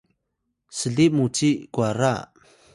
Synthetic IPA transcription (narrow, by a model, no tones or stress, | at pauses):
səɮimut͡sikwaɾa